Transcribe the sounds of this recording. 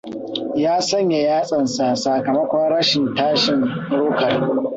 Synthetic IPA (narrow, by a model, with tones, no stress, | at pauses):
jaː˦sɐ˦ɲja˨jaː˦sʼɐ˨nsa˨saː˨kɐ˨mɐ˦kʷɔ˦nɽɐ˦ʃɪ˨ntaː˦ʃɪ˨nɽʊː˦kɐ˨r